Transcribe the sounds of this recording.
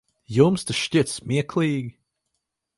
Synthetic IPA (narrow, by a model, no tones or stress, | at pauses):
jomstəʃtʲɪtsmiəkʰliɡ